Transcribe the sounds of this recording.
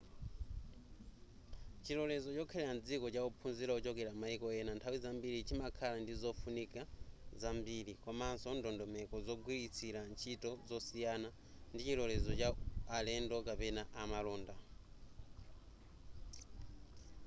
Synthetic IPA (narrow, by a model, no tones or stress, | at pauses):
t͡ʃilɔlɛzɔt͡ʃɔkʰɛlɛand͡zikɔt͡ʃaupʰunziɾaut͡ʃɔkɛɾamaikɔɛnantʰawizambiɾit͡ʃimakʰalandizɔfunikazambiɾikɔmansɔndɔndɔmɛkɔzɔɡwiɾit͡sʰiɾant͡ʃʰitɔzɔsijana | ndit͡ʃilɔlɛzɔt͡ʃaalɛndɔkapɛnaʔamalɔːnda